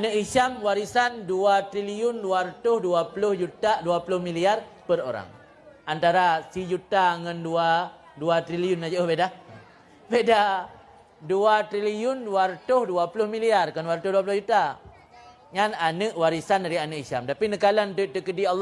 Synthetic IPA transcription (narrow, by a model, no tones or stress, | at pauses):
anəʔiʃamwaɾisanduat̪ɾiliʊnduart̪ʊhduapulʊhd͡ʒut̪aduapulʊhmiliar | pəɾo̰ɾa̰ŋ | ant̪aɾasid͡ʒut̪aŋandua | duat̪ɾiliʊnːad͡ʒaʔəhbeda | beda | duat̪ɾiliʊnduart̪ʊhduapulʊhmiliarkanduart̪ʊhduap̬ulʊd͡ʒut̪a | ŋananəʔwaɾisandaɾianəkisa̰mt̪apinəkalant̪ut̪əkədialː